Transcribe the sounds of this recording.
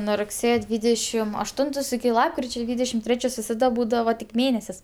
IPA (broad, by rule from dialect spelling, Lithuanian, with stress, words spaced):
nuɔ rʊkˈsʲeːjoː ˈdʲʋʲiːdʲɛʃʲɪm ɐʃˈtʊntoːs ɪkʲɪ ˈlˠɑːpkrʲɪt͡ʃʲɛ ˈdʲʋʲiːdʲɛʃʲɪm ˈtʲrʲæːt͡ʃʲoːs ʋʲɪsɐˈdɐ ˈbuːdɐʋɐ tʲɪk ˈmʲeːnʲɛsʲɪs